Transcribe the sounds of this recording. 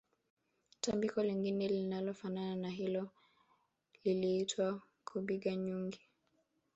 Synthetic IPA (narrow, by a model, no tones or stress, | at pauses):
tambikɔliŋɡinɛlinalɔfanananaɦilɔ | liliitʰwa | kʰuɓiɠaɲuŋɡi